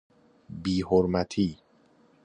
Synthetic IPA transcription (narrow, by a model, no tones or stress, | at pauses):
biːhoɾmæt̪ʰiː